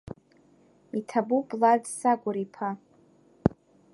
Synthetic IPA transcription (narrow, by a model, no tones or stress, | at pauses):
itʰabupʼladsaɡʷʊɾipʰa